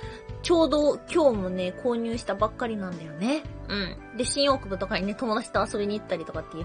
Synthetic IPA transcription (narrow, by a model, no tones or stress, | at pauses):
t͡ɕo̞ːd̪o̞kʲo̞ːmone̞kʰo̞ːɲ̟ʲɨːɕi̥t̪abakːaɾʲinãnd̪ajo̞ne̞ɯ̟̃ɴ | d̪e̞ɕĩɰ̃o̞ːkɯ̟bɯ̟t̪o̞kaɲ̟ine̞t̪o̞mo̞d̪at͡ɕi̥t̪o̞aso̞bʲiɲ̟iːt̪ːaɾʲit̪o̞kat̪ːe̞jiɯ̟